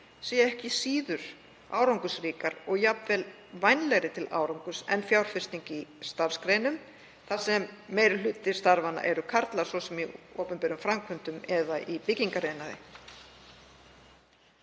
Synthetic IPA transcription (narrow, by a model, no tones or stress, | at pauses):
siːjaɛhcɪsiːðʏɾ̥ | a̰ːwɾawŋkʏsɾiːkaɾɔɣjapnvɛl | vajnlɛɣɾɪt̪ʰɪla̰ːwɾawŋkʏsɛ̰nfjawɾ̥fɪrst̪iɲcɪist̪aɾ̥skɾeːjnʏm | θḁsɛmːeːjɾɪl̥ʏt̪ːɪ̥st̪aɾvanːa̰ʔɛɾʏkʰaɾt̪laɾ̥svɔsɛmiɔːpʏnpɛɾʏmfɾamkʰvʏnt̪ʏmɛðaʔipɪciŋkareːjnaðɪ̰